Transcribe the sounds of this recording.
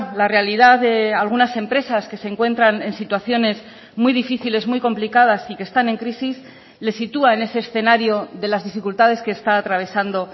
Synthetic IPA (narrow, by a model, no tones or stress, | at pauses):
larealiðaððe̞alɣ̞unase̞mpɾe̞saske̞se̞ŋkwe̞nt̪ɾane̞nsit̪waθjo̞ne̞z | mwijðifiθile̞zmwijko̞mplikað̞asike̞st̪ane̞ŋkɾisis | le̞sːit̪uae̞ne̞seːsθe̞naɾjoðe̞lazðifikult̪aðe̞ske̞ːst̪aːt̪ɾaβ̞e̞sand̪o̞